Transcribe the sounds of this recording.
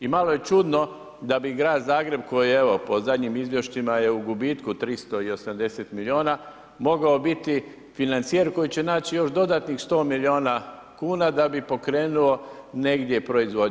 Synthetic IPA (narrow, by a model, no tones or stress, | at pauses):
imalo̞je̞t͡ʃud̪no̞ | d̪abiɡɾaːd̪zaːɡɾe̞b̚ko̞jieʋo̞po̞zad̪ɲimizʋje̞ʃt̪imaje̞uɡubiːt̪kut̪ɾist̪o̞io̞samd̪e̞set̪milio̞ːna | mo̞ɡaobit̪i | finant̪sieɾko̞jit͡ɕe̞naːt͡ɕijo̞ʃd̪o̞d̪aːt̪nixst̪o̞ːmilio̞ːna | kuːnad̪abipo̞kɾe̞ːnuo̞ne̞ɡd̪je̞pɾo̞izʋo̞